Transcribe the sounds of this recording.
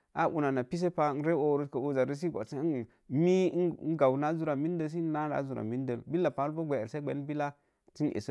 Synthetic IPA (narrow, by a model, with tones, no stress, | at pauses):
a˦ʔṵ˨na˨na˨pi˦s̬e˦pa˦n̩˦ɾe˦wo˨wɾu˦tka˨o˨za˨ɾi˦s̬i˦ɡʷa̰˨si˦˨ | mi˦n˦ɡa˨wna˦zu˦ɾa˨mi˦n˦də˦ls̬i˦na˦ɾa̰˨˦zu˨ɾa̰˨mi˦n˦də˨lbi˦la˨pa˨˦lbo˦ɡʷe˨se˦ɡ͡be˨˦n˦bi˦la˦ | ti˦nʔḛ˨s